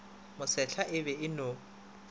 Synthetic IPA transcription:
mʊsɛɬʰaʔɪbɛɪnʊ

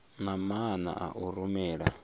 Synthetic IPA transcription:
namana̰ʔa̰ʔuɾumɛːɺa

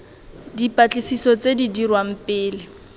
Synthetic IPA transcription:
dipʼat͡ɬʼisisɔt͡sedidirwam̩pʼɪːlɪ

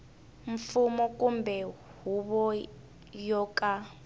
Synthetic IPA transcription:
ɱfumɔkumbɛ | ɦuβɔ | jɔkʼa

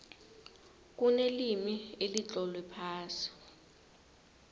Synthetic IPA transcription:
k̬unelimielit͡ɬʼɔlwɛpʰaːsi̥

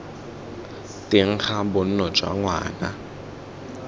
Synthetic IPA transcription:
tɪŋ̩χabʊn̩nɔt͡ʃʼwa̰ŋwa̰ːna̰

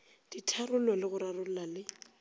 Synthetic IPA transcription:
d̥itʰarʊlɔlɪɣʊɾarʊl̩lalɪ

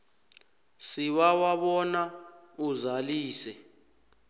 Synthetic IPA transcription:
siwawaɓɔna | uzaliːsɛ

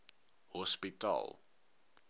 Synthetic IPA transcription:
hɔspita̰lˠ

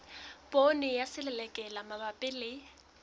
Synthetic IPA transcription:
pʼonɪjasɪlɛlɛkʼɛlamabapʼɪlɪ

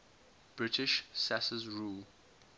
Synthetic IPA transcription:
b̥ɹɪtɪʃsasəzɹuːl

